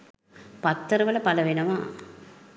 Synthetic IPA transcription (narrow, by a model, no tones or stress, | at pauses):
pɐt̪ːɐɾɐʋɐlɐpɐlɐʋɪnɐmaː